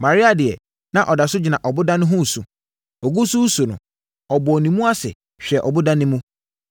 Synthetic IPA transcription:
mã˨ɾɪ˦a˨dɪ˨ɛ˨ | nã˨ʔɔ˨da˨sʊ˦d͡ʑɪ˨nã˨ʔɔ˨bʊ˦dã˦nʊ̃˦ɦʊ̃˦˨su˨ | ɔ˨ɡu˦su˦su˨nʊ̰̃˨ | ɔ˨bʊ˨ɔ˨nĩ˨mũ˦a˦sɪ̰˨ | ɕᶣɛ˨ʔɔ˨bʊ˦dã˦nɪ̃˦mũ˦

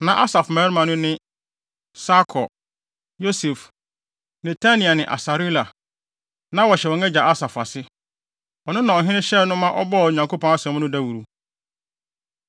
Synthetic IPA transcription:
nã˨ʔa˦sa˨fmɛ˨˦ɾmã˨nʊ̃˦nɪ̃˦ | sa˦kʰɔ˨ | jo˦sɛ˨f | nɛ˨tʰa˦nĩ˨a˨nɪ̃˨ʔa̰˨sa˨ɾi˦la˨ | nã˦wɔ˨ɕɛ˨ɔ̃˨nɛ̃˦d͡ʑa˨ʔa˦sa˨fa˨sɪ˦ | ɔ˨nʊ̃˦nã˨ɔ˨ɦɪ̃˦nɪ̃˦ɕɛ˦˨nʊ̃˦mã˦ʔɔ̰˦bɔ˦˨ɲã˨ŋkʰo˦pʰɔ̃˦na˦sɛ̃˨˦mnʊ̃˦dɛ˦wu˨ɾu˨

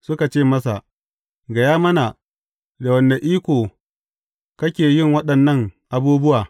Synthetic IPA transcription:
sʊ˦ka˨t͡ʃeː˦˨mɐ˦sa˨ʔ | ɡɐ˨jaː˦mɐ˦na˨ | da˨wɐ˨nːa˨ʔiː˦kʷoː˨ | kɐ˦kʲeː˨jɪ˦ŋwɐ˦ɗɐ˨nːɐ˦ŋʔa˨buː˦bʊ˦waː˨

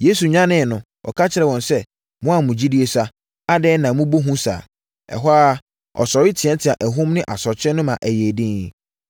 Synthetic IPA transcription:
je˦su˨ɲã˦nɪ̃˦˨nʊ̃˨ | wʔɔ̰˨kʰa˦t͡ɕʰɪ˨ɾɛ˨wɔ̃˨nsɛ˦ | mʊ̃˦a˨mũ˨d͡ʑi˦di˦e˦sa˦ | a˦dɛː˦nã˨mũ˦bo˦ɦũ˦sa̰ː˨ | ɛ̰˨ɦwaː˦ | ɔ̰˨sɔ˨ɾɪ˦tʰɪ˨ɛ̃˦ntʰɪ˨a˨ʔæ˨ɦʊ̃˦mnɪ̃˦ʔa˨sɔ˨t͡ɕʰɛ̃˦nʊ̃˦mã˨ʔæ˨jeː˨dĩ˦ŋ

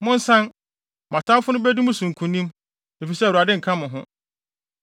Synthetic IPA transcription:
mʊ̃˦n̩˦sã˦n | mã˨tʰã˦mfʊ˦nʊ̃˦bæ˦dũ˦mʊ̃˦sũ˨ŋ̩˨kʰũ˨nĩ˦m | e˨fi˨sɛ˦˨wu˨a˨dɪ˦ŋ̩˨kʰã˦mʊ̃˨ɦʊ̃˦

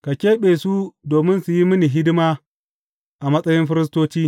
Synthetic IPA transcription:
ka˨kʲeː˦ɓeː˨su˦doː˨mɪ˦nsu˨ji˦mɪ˦ni˨ɦɪ˦dɪ˦maː˦ | ʔa˨mɐ˦sʼɐ˦jɪ˦mɸɪ˦ɾɪ˦s̬toː˦t͡ʃiː˦

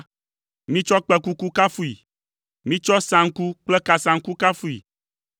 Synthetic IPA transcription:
mĩ˦t͡ʃɔ˦k͡pɛ˨ku˦ku˦ka˦fu˦i˨ | mĩ˦t͡ʃɔ˦sã˨ŋ̩˦ku˦k͡plɛ˦ka˨sã˨ŋ̩˦ku˦ka˦fu˦ḭ˨

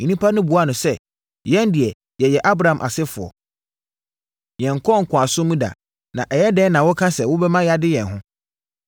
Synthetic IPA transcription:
ɲ̩̃˨nĩ˦pʰa˦nʊ̃˦bu˨a˦nʊ̃˨sɛ˦ | jɛ̃˦n˦dɪ˨ɛ˨ | jɛ˨jɛ˨ʔa˦bɾa˨ã˨mʔa̰˨sɪ˦fʊ˨ɔ̰˨ | jɛ̃˨ŋ̩˨kʰɔ˦ŋ̩˨kʰʊ̃˨a˨sʊ̃˦mũ˦da̰˨ | nã˨ʔɛ˨jɛ˦dɛː˦nã˨wʊ˦kʰã˦sɛ˨wʊ˦bɛ˦mã˦ja˨dɪ˦jɛ̃˨nɦʊ̃˦

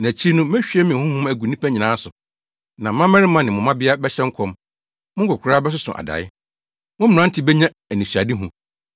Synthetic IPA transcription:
næ̃˨t͡ɕʰi˦nʊ̃˦mɛ˦ɕᶣɛ˦mɪ̃˨hʊ̃˦hʊ̃˦mæ˨ɡu˨nĩ˦pʰæ˦ɲĩ˨nãː˨˦sʊ˨ | nã˨m̩˦mã˦mɛ̃˦ɾɪ˦mã˨nɪ̃˨mʊ̃˨mã˦bɪ˦a˦bɛ˦ɕɛ̃˦ŋ̩˦kʰɔ̃˦m | mʊ̃˦ŋ˦kʰɔ˨kʰʷʊ˨˦ɾaː˦bɛ˦s̬ʊ˦sʊ̰̃˨ʔa̰˨da̰˨ɪ˦ | mʊ̃˦m˨ɾã˦n̩˦tʰɪ˨bɛ˦ɲã˦ | æ˨nĩ˨su˨a˨dɪ˦ɦʊ̃˨

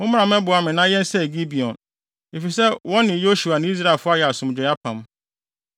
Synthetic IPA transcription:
ʊ̃˦m̃˦ã˨mɛ̃˦bʊ˨a˨mɪ̃˨nã˦jɛ̃˦n̩˦sɛ˦˨ɡi˦bi˨ɔ̃˨n | e˨fi˨sɛ˦wɔ̃˦nːɪ̃˨jo˦ʃu˨a˨nɪ̃˦i˦s̬ɾa˦˨e˨lfʊ˦a˦jɛ˨a˨sʊ̃˨md͡ʑᶣɪ˨ja˦pʰã˨m˦

